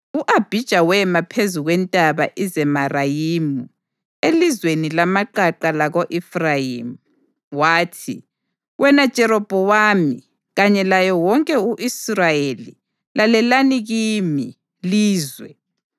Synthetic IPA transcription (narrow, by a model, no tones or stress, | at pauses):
uʔab̥ʱid̥ʒ̥ʱawɛmapʰezuɣwɛntʼaβa̰ʔizɛmarajiːmu | elizwenilamaǃaǃalaɣoʔɛfrajimu | waːtʰḭ | wɛnad̥ʒ̥ʱɛɾɔb̥ʱɔwaːmḭ | ɣaɲɛlajɔwɔŋkʼɛuʔisrajeli | lalɛlaniɣimi | liːzwɛ